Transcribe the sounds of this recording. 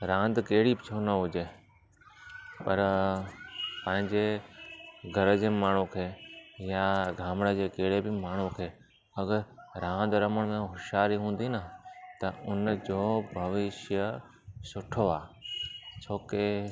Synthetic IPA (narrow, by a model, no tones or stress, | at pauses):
ɾãːnd̪keɦɪɽibɪt͡ɕʰonɐɦʊd͡ʑeː | pɐɾ | pɐ̃ɦɪ̃ɲd͡ʑe | ɡʱɐɾəd͡ʑeːmaːɳ̤ũkʰeːjaɡʱãːmɽəd͡ʑeːkeːɽebɪmaːɳ̤ũkʰeː | ɐɡəɾɾãːn̆d̪ɾɐməɽ̃mẽɦʊʃaːɾiɦũːn̆d̪inət̪ɐʊnd͡ʑoːbʱɐʋɪʃjə | sʊʈʰoaː | t͡ɕʰoːke